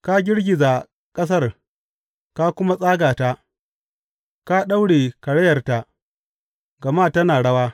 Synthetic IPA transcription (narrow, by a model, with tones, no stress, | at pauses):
ka˦ɡʲɪ˦rɡʲɪ˨za˨ | kʼɐ˦s̬ɐ˦r | ka˦kʷʊ˦ma˦sʼaː˦ɡaː˨ta˦ | ka˦ɗa˦wɽeː˨kɐ˨ɽɛ˦jɐ˨rta˨ | ɡɐ˨maː˦tɐ˦naː˨ɽɐ˦waː˦